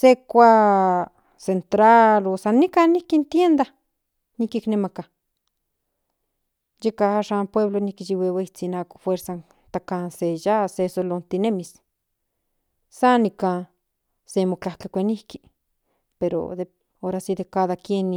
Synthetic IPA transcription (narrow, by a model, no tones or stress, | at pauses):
sekʷa | sent̪ɾalosanikanihkint̪jend̪a | nikiknemaka | jekahaʃampweβlonikit͡ʃiweweit͡sinako̥fweɾsan | t̪akansejasesolont̪inemis | sanika | semokahkakʷenihki | peɾo̰d̪e | oɾasid̪ekaðakjeni